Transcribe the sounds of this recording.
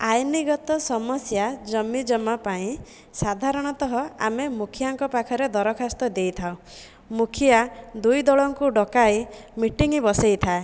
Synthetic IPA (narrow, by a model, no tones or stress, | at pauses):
ajniɡɔt̪ɔsɔmɔsjad͡ʒɔmid͡ʒɔmapaĩ | sad̪ʱaɾɔɽ̃ɔt̪ɔɦɔa̰memukʰijaŋkɔpakʰɔɾed̪ɔɾɔkʰast̪ɔd̪ejt̪ʰaw | mukʰiad̪ujd̪ɔɭɔŋkuɖɔkajmiʈiŋibɔsejt̪ʰae